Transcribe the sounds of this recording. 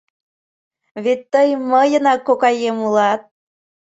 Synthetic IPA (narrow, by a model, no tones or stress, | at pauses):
βet̪ːəjməjənɑkːokɑjemulɑt̪̚